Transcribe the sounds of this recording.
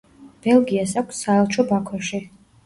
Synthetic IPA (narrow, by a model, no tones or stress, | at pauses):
b̥ɛlˠɡiasakʷʰsːaɛlˠt͡ʃʰɔbakʰwɔʃi